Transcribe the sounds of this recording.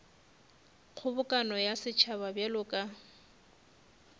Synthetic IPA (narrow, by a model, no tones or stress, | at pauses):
k͡xʰʊbʊkʼanɔjasɪt͡ʃʰaβabjɛlʊkʼa